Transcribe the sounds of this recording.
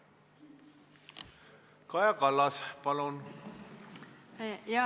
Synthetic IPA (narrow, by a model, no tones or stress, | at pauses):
kɑjɑkɑlːɑspɑlun | jɑ